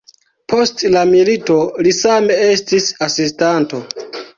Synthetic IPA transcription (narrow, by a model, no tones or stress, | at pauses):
pʰo̞stlamilito̞lisame̞e̞stisasistanto̞